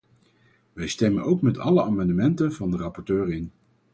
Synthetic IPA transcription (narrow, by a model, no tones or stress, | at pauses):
ʋɛjstɛmənowkmɛtʰɑ̰ləaːmɑndəmɛntənvɑndərɑpɔɹtøːɹɪn